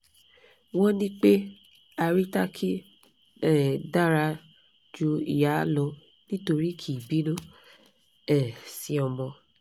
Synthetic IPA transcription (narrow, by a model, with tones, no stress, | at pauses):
wɔ̃˦nĩ˦k͡pe˦ | a˧ɾi˦ta˦kʰi˦ | ɛ˦˨da˦ɾa˧ | d͡ʒu˧ḭ˨ja˨˦lɔ̃˨˧ | nĩ˦to˧ɾi˦kʰi˨bi˨˦nõ˦ | ɛ˨si˧ɔ˧mɔ̃˧